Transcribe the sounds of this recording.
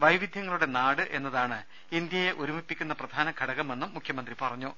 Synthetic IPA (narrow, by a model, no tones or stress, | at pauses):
ʋɐjʋid̪ʱjɐŋːɐɭuɽe̞naːɽɨʔe̞nːɐðaːɳɨ | ind̪jɐje̞ʔoɾumipːikʲːunːɐprɐd̪ʱaːnɐɡʱɐɽɐɣɐme̞nːumːukʰjɐmɐnd̪ripɐrɐɲːu